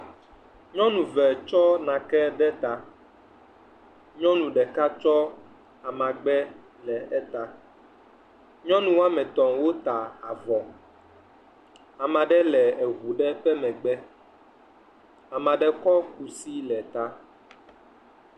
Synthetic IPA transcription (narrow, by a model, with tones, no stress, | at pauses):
ɲɔ̃˦nũ˨vɛ˨t͡ʃɔ˦nã˨kɛ˦ɖɛ˦t̪a˨ | ɲɔ̃˦nũ˨ɖɛ˨ka˦t͡ʃɔ˦ | a˨mã˨ɡ͡bɛ˦ | lɛ˨ɛ˦t̪a˨ | ɲɔ̃˦nũ˨wa˦mɛ̃˨t̪ɔ̃˨ŋwo˦t̪a˨a˨vɔ˨ | a˨mã˨ɖɛ˦lɛ˨ɛ˨ɣu˨ɖɛ˦ɸɛ˦mɛ̃˨ɡ͡bɛ˦ | a˨mã˨ɖɛ˦kɔ˦ku˨si˦lɛ˨t̪a˦